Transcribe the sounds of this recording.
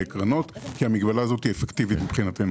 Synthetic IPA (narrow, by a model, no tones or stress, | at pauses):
ekʁano̞t̪kiamiɡbalaːzo̞t̪iefekt̪ivit̪mibχinat̪em